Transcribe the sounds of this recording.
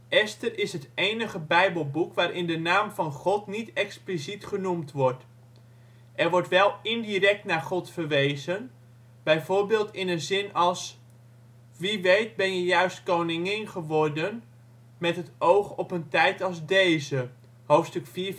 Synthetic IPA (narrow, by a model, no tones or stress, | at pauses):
ʔɛstərʔɪsɦətejnəχəbɛjbəlˠbukʋaːɾɪndənaːmvɑnχɔtnitɛksplisitχənumtʋɔɹt | ʔɛɹʋɔɹtʋɛlˠɪndirɛk̚tnaːɹχɔtfərʋejzən | b̥ɛjvoːɹbɪːlˠtɪnənzɪnɑlˠs | ʋiʋejt̚bɛnjəjœɥstkownɪŋɪnχəʋɔɹdən | mɛtɦətowχɔpəntɛjtɑlˠzdejzə | howftstɵkfiː